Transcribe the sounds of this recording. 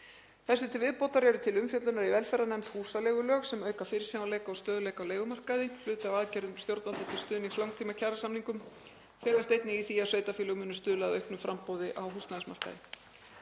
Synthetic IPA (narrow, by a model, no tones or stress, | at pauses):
θɛsːʏt̪ʰɪlvɪðpowt̪aɾjɛɾðʏt̪ʰɪlʏmfjœt̪lʏnaɾivɛlfɛɾanɛmt̪huːsaleːɣʏlœːɣsɛmœːɥkafɪɾɪ̥sinawleːjkaɔwst̪œːðʏlejkawleːjɣʏmar̥kaðɪl̥ʏːt̪awaðcɛɾðʏmst̪jowɾt̪nant̪at̪ʰɪlst̪ʏːðniŋslawŋkt̪ʰiːmacʰaːɾasamniŋkʏm | fɛːlast̪ejt̪nɪɣiθiaðsveːjt̪afiːlœɣʏmʏːnʏst̪ʏːðlaɣðaœɥhknʏfɾʔampoːwðɪʔawɦust̪naðɪsma̰r̥ka̰ðɪ̰